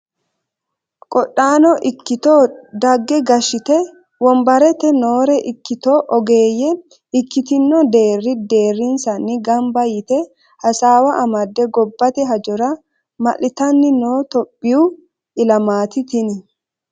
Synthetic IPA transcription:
kʼɔɗːaːnɔʔɪkːɪt̪oːd̪ɐɡːɛɡɐʃɪt̪ɛ | wɔmbɐɾɛt̪ɛnoːɾɛʔɪkːɪt̪oːʔɔɡe̞ːjːɛ | ɪkːɪt̪ɪnːɔd̪e̞ːrːɪd̪e̞ːrːɪnsɐnːɪɡɐmbɐjɪt̪ɛ | hɐsaːwɐʔɐmɐd̪ːɛɡɔbːɐt̪ɛɦɐd͡ʒɔɾɐ | mɐ̰lɪt̪ɐnːɪnoːt̪ɔpʼːɪjuː | ɪlɐmaːt̪ɪt̪ɪnɪ

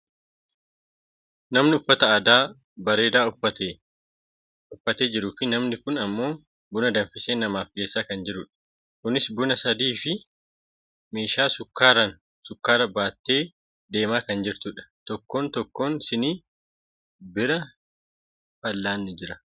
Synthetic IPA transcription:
nɐmnɪʊfːɐt̪ɐaːd̪aː | bɐɾe̞ːd̪aːʊfːɐt̪eː | ʊfːɐt̪e̞ːd͡ʒɪɾuːfɪnɐmnɪkʊnɐmːo̞ː | bʊnɐd̪ɐɱfɪseːnɐmaːfɡe̞ːsːaːkɐnd͡ʒɪɾʊᶑɐ̥ | kʊnɪsbʊnɐsɐd̪iːfɪ | meːʃaːsʊkːaːɾɐn | sʊkːaːɾɐbaːt̪ːe̞ː | d̪e̞ːmaːkɐnd͡ʒɪɾt̪ʊᶑɐ̥t̪ɔkːo̞ːnt̪ɔkːo̞ːnsɪniː | bɪɾɐ | fɐlːaːnːɪd͡ʒɪɾɐ

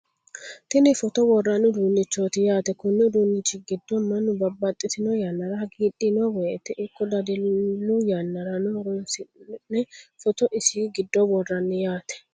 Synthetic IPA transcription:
t̪ɪnɪfɔt̪ɔwɔrːanːʊd̪uːnːɪt͡ʃːoːt̪ɪjaːt̪ɛkʊnːɛʊd̪uːnːɪt͡ʃːɪɡɪd̪ːɔmːɐnːʊbɐbːɐt̪ʼːɪsɪnɔjanːɐɾaɡiːɗɪnɔwɔjɛt̪ɛʔɪkːɔd̪ɐd̪ɪlːujanːɐɾɐnʊɾɔnsɪnɛfɔt̪ɔʔɪsiːɡɪd̪ːɔwɔrːɐnːɪjaːt̪ɛ̥

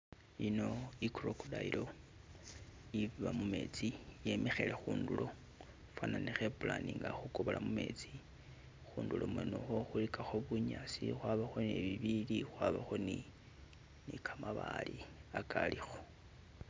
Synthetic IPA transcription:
ino̞ikurokudailo̞ | iβiβamume̞̰t͡sije̞me̞xe̞le̞xuːndulo̞ | fananexepulaniŋɡaxukoβolʔamume̞̰t͡si | xuːndulʔo̞mwenoxo̞xulikaxo̞βuɲasixwaβaxo̞neβiβilixwaβaxo̞ni | nikʰamaβaliakʰalixo̞̥

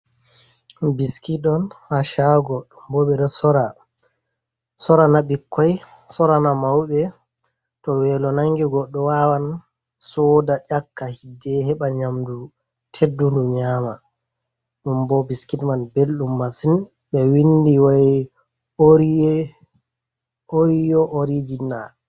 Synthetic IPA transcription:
biskitɔnhaʃaɡɔɗumbɔɓɛɗɔsɔɾa | sɔɾanaɓikːɔj | sɔɾanamawɓɛ | tɔwɛlɔnaŋɡiɡɔɗːɔwawan | sɔdaʔakːahidːɛhɛɓaɲamdu | tʰedːunduɲaːma | ɗumbɔbiskitmanbelɗumːasin | ɓɛwindiwaj | oɾ | oɾijɔʔoɾid͡ʒina̰

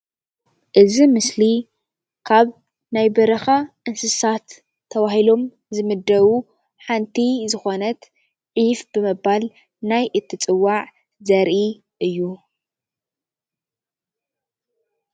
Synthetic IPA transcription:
ʔɨzimɨsli | kʰaβ | najbɐɾɐxɐʔɨnsɨsat̪ʰː | ɐβahilo̞m | zɨmɨd̪ːɐβu | ħant̪ʰizɨxo̞nɐt̪ | ʕifbɨmɨbal | najʔɨt̪ʰːɨt͡sʼɨwːaʕ | zɐɾʔi | ʔɨjːu

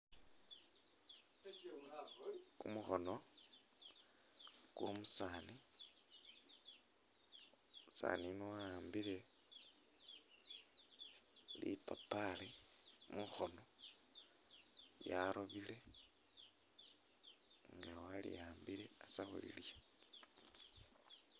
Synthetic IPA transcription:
kumuxo̞no | kwomusaːni | musa̰ːniniwaaːmbile | lḭpapalimuxo̞no̞ | jaɾʔoβile̞ | ŋɡawalḭjaːmbile̞at͡saxṵlḭlija

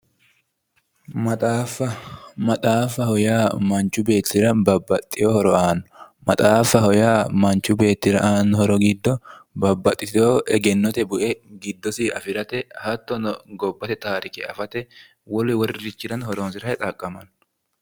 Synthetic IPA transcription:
mɐt̪ʼaːfɐmɐt̪ʼaːfːɐhɔjaːmɐnt͡ʃːʊbe̞ːt̪ːɪɾɐbɐbːɐt̪ʼːɪjohɔɾɔʔaːnɔmɐt̪ʼaːfːɐhɔjaːmɐnt͡ʃːʊbe̞ːt̪ːɪɾɐʔaːnhɔɾɔɡɪd̪ːɔbɐbːɐt̪ʼːɪt̪ɪt̪oːʔɛɡɛnːɔt̪ɛbʊʔɛɡɪd̪ːɔsɪɐfɪɾɐt̪ɛhɐt̪ːɔnɔɡɔbːɐt̪ɛt̪aːɾɪkɛɐfɐt̪ɛ | wɔlɛwɔɾɪɾɪt͡ʃːɪɾɐnhɔɾoːnsɪɾɐɛt̪ʼɐkʼːɐmɐn

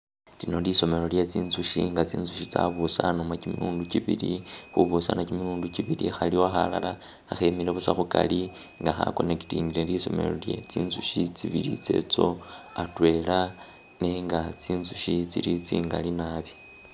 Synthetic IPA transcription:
linoliso̞me̞ɾo̞lje̞t͡siːnzuʃiŋɡat͡sḭːnzuʃit͡sa̰βusanomakimiɾuːnduciβilixuβusanakimiluːnduciβilixaliwaxala̰laː | xemileβusaxuka̰li | ŋɡaxa̰ko̞neki̥tiːnɡileliso̞̰me̞̰lo̞ljet͡siːnzuʃit͡siβiɾḭt͡se̞̰t͡so̞atwe̞la | neŋɡat͡siːnzuʃit͡silit͡siːŋɡalinaβjo

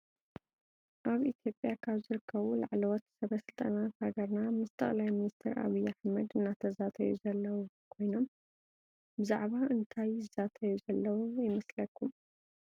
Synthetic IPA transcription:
ʔaβit̪ʰjo̞pʼjakʰaβzɨɾɨkʰːɐβula̰ʕlɨwɔt̪sɐβɐsɨlt̪ʼɐnat̪haɡɐɾnamɨst̪ʰɐ̰χʼlajminist̪ʰɐɾʔa̰βɨjaħmɐd̪ɨnːat̪ʰɐzat̪ʰɐjuzɐlːɐwu | kʰo̞jno̞m | bɨzaʕβaʔɨnt̪ʰajɨzat̪ʰɐjuzɐlːɐwujɪmɐslɐkːum

